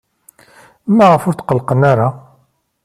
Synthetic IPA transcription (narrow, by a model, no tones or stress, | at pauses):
mːæʁəfʊɾt̪qəlːqənaɾa